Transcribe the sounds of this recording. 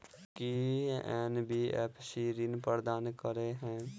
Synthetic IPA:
kiɛːnbiːɛpʰʃiːɾɪnpəɾd̪aːnkəɾeɦɛ̃ː

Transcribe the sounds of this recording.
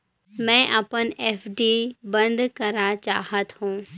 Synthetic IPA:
mɛ̃ʔɐpəneːfɖibɐ̃nd̪kɐɾat͡ɕaːɦət̪ɦũː

